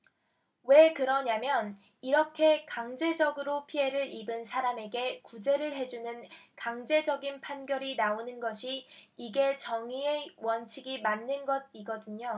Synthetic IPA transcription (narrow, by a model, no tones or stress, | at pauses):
we̞kɯɾʌɲamjʌn | iɾʌkʰe̞kaŋd͡ʑe̞d͡ʑʌɡɯɾopʰie̞ɾɯɾibɯnsʰaɾame̞ɡe̞kud͡ʑe̞ɾɯɭɦe̞d͡ʑunɯnkaŋd͡ʑe̞d͡ʑʌɡinpʰanɡjʌɾinaonɯnɡʌɕʰiːɡe̞t͡ɕʌŋie̞wʌnt͡ɕʰiɡimanːɯnɡʌd̚iɡʌdɯɲo